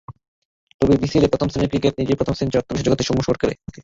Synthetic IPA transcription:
t̪obibisilepɾot̪ʰomsineɾkɾikeʈ̚nid͡ʑepɾot̪ʰomsint͡ɕɔk̚t̪obiʃod͡ʑoɡot̪eʃumːoʃkoɾkeɾḛ

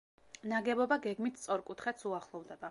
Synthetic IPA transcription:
naɡɛbɔbaɡɛɡmit̪ʰt̪sʼɔɾkʼut̪ʰχɛt̪suaχlˠɔvd̪ɛba

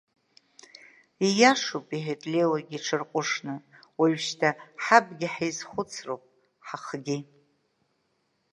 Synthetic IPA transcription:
ijaʂupʼiħetʼlelaɡʲiʈ͡ʂʰɨrqʷʼʊʂnɨwaɥʃtʰaħabɡʲɪħejzχʷʊt͡sʰrowpʼ | ħaχɡʲi

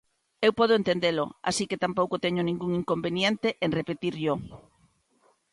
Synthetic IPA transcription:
ewpɔð̞oent̪end̪elo̰a̰siket̪ampowkot̪ɛɲonĩŋɡuŋiŋkombenjent̪eʔenrepet̪iɾʎo

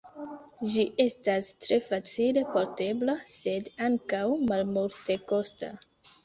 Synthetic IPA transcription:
d͡ʒiʔe̞stastɾe̞fat͡sile̞poɾte̞blase̞daŋkawmalmulte̞ko̞sta̰

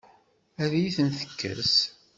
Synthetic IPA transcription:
æðjiθənθə̥kːə̰ɾs

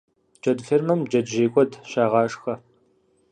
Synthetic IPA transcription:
d͡ʒɐdfermɐmd͡ʒɐdʒeːkʷʼɔdʃaːʁɑːʂxɐ

